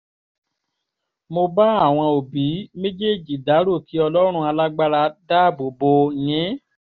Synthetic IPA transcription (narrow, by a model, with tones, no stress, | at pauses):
mo˧ba˦a˦˨w̃ɔ̃˧o˨bi˨˦mẽ˦d͡ʒe˦˨d͡ʒi˨da˨˦ɾo˦˨ki˨˦ɔ˧lɔ˦ɾ̃ũ˦˧a˧la˦ɡ͡ba˦ɾa˧da˦˨bo˨bo˧˨j̃ɛ̃˨˦